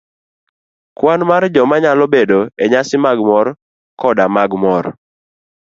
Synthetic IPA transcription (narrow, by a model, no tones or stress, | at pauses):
kwanmard͡ʒɔmaɲalɔbedoeɲasɪmaɡmɔɾ | kɔdamaɡmɔr